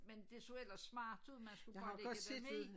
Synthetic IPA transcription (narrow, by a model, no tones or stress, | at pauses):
mend̥e̝soel̰ɐsmɑ̈ːd̥ð̩ˠmænsɡ̥uɡjɑhɑ̈l̥ɒ̽d̥se̝̰dm̥e